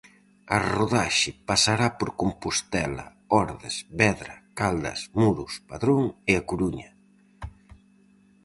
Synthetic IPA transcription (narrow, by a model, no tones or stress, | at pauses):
ɐroðaʃɪpasaɾapoɾkompust̪ɛlɐ̰ | ɔɾðɪsβɛðɾɐkald̪ɐ̰smuɾuspaðɾoŋɪakuɾuɲɐ